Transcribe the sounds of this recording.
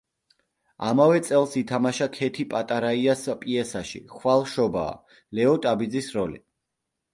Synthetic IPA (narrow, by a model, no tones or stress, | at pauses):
a̰mavɛt̪sʼɛlˠsit̪ʰamaʃakʰɛt̪ʰipʼat̪ʼaɾaiaspʼiɛsaʃḭχwalˠʃɔba̰ː | lɛɔt̪ʼabid̪zisɾɔlḭ